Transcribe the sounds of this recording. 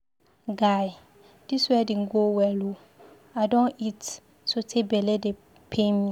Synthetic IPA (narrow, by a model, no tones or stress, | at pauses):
ɡaj | d̥iswɛdĩnɡowɛlo | aɪdɔ̃nit | sotʰebɛlɛde | pʰemĩ